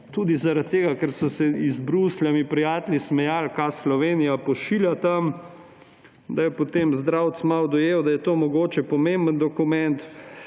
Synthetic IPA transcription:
t̪uːd̪izaɾat̪ːeːɡakɛɾsɔsɛizbɾuslʲjamipɾijaːt̪lʲismɛjalkaslɔʋeːnijapɔʃiːljat̪am | d̪ajɛpot̪emzd̪ɾawt̪smawd̪ɔjeːwd̪ajɛt̪oːmɔɡoːt͡ʃɛpɔmembənd̪ɔkumɛnt̪

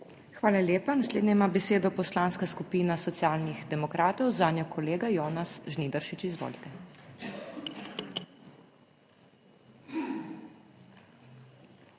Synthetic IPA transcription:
xʋaːlalʲjeːpanasled̪nʲɛimaːbɛseːd̪ɔpɔslanskaskupiːnasɔt̪sijaːlnixd̪ɛmɔkɾaːt̪ɔwzaːnʲjɔkʰɔleːɡajɔːnasʒniːd̪əɾʃit͡ʃizʋo̰ːlt̪ɛ

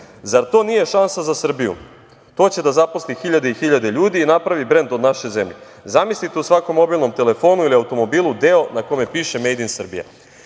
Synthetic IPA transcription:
zaɾt̪o̞ːnije̞ʃansazasr̩bijṵ | t̪o̞t͡ɕe̞d̪azaposlixiʎad̪eixiʎad̪e̞ʎuːd̪iːnapɾaʋibɾe̞nd̪od̪naʃeze̞mʎe | zamislit̪eusʋako̞mːo̞biːlˠno̞mt̪e̞le̞fo̞ːnuiliawt̪o̞mo̞biːlˠud̪e̞o̞nakome̞piːʃe̞me̞jd̪insr̩bḭja̰

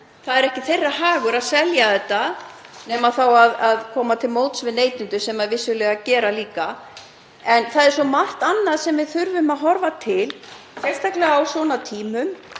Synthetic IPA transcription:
θaðɛɾɛhcɪθejrːaɦaːɣʏɾaðsɛljaθɛt̪ːa | nɛːmaθawaðaðkʰɔːmat̪ʰɪlmoːwt̪svɪneːjt̪ʏnt̪ʏsɛmaɛvɪsːʏlɛːɣacɛːɾaliːka | ɛnθaðɛɾ̥sɔmaht̪anːaðsɛmvɪðθʏɾvʏmaðɦɔɾvat̪ʰɪl | sɛlst̪ʰajklɛɣaːwsvɔːnat̪ʰiːmʏm

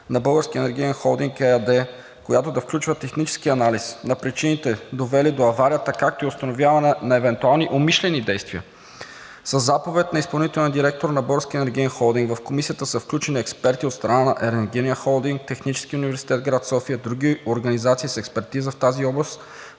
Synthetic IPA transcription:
nɐbɤlˠɡəɾskʲiɛnɛɾɡʲiɛnxɔlˠd̪iŋkɛɛd̪ɛ | kojat̪od̪ɐfklʲut͡ʃvət̪ɛxnit͡ʃɛ̥skiɐnalisnɐpɾit͡ʃinit̪ɛd̪ovɛlid̪oɐvaɾijət̪əkak̚t̪oiʊst̪ɐnovʲjavɐnɛnɐɛvɛnt̪ualˠniʔomiʃlɛnid̪ɛjst̪viə̰ | səzːapovɛt̪nɐispɐlˠnit̪ɛlˠnd̪iɾɛk̚t̪oɾnɐbɤlˠɡəɾskʲiɛnɛɾɡʲiɛnxɔlˠd̪iŋɡvɐfkomisiət̪əsəfklʲut͡ʃɛniɛkspɛɾt̪iot̪st̪ɾɐnanɐʔɛɾɛɾɡʲiniəxɔlˠd̪iŋk̚t̪ɛxnit͡ʃɛ̥skiunivɛɾsi̥t̪ɛt̪ɡɾat̪sɔfiəd̪ɾuɡ̟ioɾɡɐnizat̪siːsɛkspɛɾt̪izəft̪aziɔblˠəst̪

